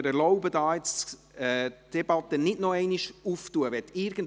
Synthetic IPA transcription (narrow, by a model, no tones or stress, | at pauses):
əɾɛɾlɔʊbədɑːɪt͡s | ɛd̥ɛb̥ɑt̪ənɪdnɔɛɪniʃuftuəʋɛtɪːɾɡ̥ən̩